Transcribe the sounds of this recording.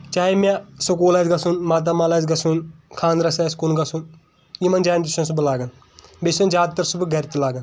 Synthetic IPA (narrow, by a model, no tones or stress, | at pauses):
t͡ʃaːimʲasok̬oːlad͡ʒɡɐsunmaːt̪̬aːmaːlaːzɡɐsunkʰaːnɾɐsaːskunɡɐsun | imɐnd͡ʒaːnd̪isɐns̬ubɐlaːɡɐn | besund͡ʒaːd̪̚t̪ɐɾsubɨɡɐɾt̪ilaːɡɐn